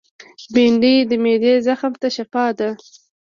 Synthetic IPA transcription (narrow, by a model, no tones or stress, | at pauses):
beɳɖid̪əmed̪ezaxmt̪aʃafɑd̪a